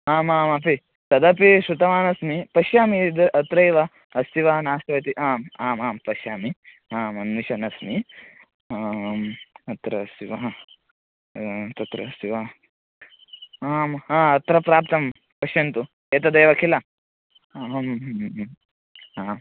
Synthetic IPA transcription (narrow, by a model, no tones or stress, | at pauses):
aːmaːmɐpi | t̪ɐd̪ɐpiʃɾut̪ɐmaːnɐsmipɐʃjaːmid̪ɐɾʔɐt̪ɾɐjʋɐ | ɐst̪iʋɐɦɐnaːst̪ɐʋɐt̪iʔaːmaːmaːmpɐʃjaːmi | aːmɐnʋiʃɐnɐsmi | aːmɐt̪ɾɐst̪iʋɐɦɐ | t̪ɐt̪ɾɐ̰st̪iʋɐ | aːmãːɐt̪ɾɐpɾaːpt̪ɐm | pɐʃjɐnt̪u | eːt̪ɐd̪ɐjʋɐkʰilɐ | ɦɐm | aː